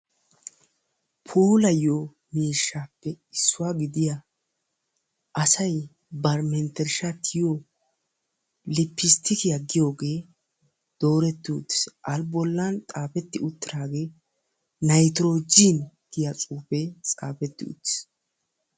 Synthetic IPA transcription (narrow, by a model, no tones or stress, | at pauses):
pʰuːlɐjo | miːʃːaːpːɛ | ɪsːʊwaːɡɪd̪ɪja | ɐsɐj | bɐɾmɛnt̪ɛɾʃat̪ʰɪjo | lɪpːɪst̪ʰɪkɪjɐɡːɪjo̞ːɡe̞ː | d̪̥o̞ːɾɛt̪ːɪʊ̰t̪ːɪ̥sʔɐlbɔlːɐnt̪ʼaːpɛt̪ːɪʊt̪ːɪɾaːɡeː | nɐjt̪ɾoːd͡ʒint̪ɪjat͡sʼuːpɛt͡sʼaːpɛt̪ːɪʊ̰t̪ːɪ̥s